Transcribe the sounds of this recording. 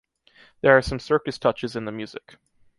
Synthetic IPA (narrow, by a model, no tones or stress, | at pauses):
ðə˞ːsʌ̃msɜ˞kɨstʰʌt͡ʃɨzɨ̃nðəmjʉzɪk